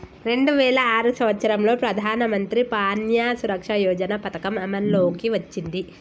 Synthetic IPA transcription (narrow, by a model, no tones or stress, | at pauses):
ɾe̞ɳɖuʋɛːlɐaːɾusɐmʋɐt̪sɐɾɐmlo̞ːpɾɐd̪ʱaːnɐmɐnt̪ɾipaːnjaːsuɾɐkʂɐjɔːd͡ʒɐnɐpɐt̪ɐkɐmɐmɐnloːkiʋɐt͡ʃːind̪i